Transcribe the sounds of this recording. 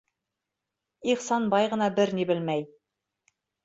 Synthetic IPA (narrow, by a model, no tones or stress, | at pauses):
iqsɑnbɑjʁɤ̆nɑbɘɾnebɘlmæj